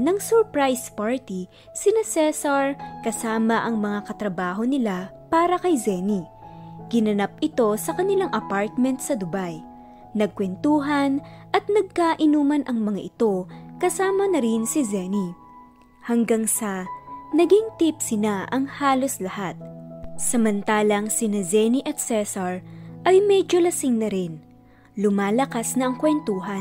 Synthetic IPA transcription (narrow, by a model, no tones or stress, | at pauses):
nɐŋsɛɹpɹajspaɹt̪i | sɪnasɛsɐɹkɐsaːmɐʔɐŋmɐŋakɐt̪ɾɐbaːɦo̞nɪla | paːɾɐkɐjzɛni | ɡ̥ɪnɐnap̚ɪt̪o̞sɐkɐnɪlaŋʔɐpaɹt̪̚mɛnt̪̚sɐd̪ʊbaj | nɐɡ̚kwɛnt̪uːɦɐnʔɐt̪̚nɐɡ̚kaːʔɪnuːmɐnʔɐŋmɐŋaʔɪt̪o̞kɐsaːmɐnɐɾɪnsɪzɛni | hɐŋɡaŋsɐnɐɡiŋt̪ipsɪnaʔɐŋhaːlo̞slɐhat̪̚sɐmɐnt̪aːlɐŋsɪnad͡ʒɛniʔɐt̪̚sɛsɐɹʔɐjmɛd͡ʒo̞lɐsɪŋnɐɾɪn | lʊmaːlɐkasnɐʔɐŋkwɛnt̪uːɦɐn